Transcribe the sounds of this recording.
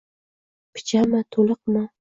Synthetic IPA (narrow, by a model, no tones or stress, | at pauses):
pʰɪ̥t͡ʃʰamɪt̪ʰolˠɨq̚mɪ